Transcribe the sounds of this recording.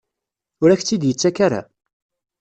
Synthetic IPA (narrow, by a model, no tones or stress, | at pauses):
ʊɾæçt͡sːid̪jət͡sːækaɾa̰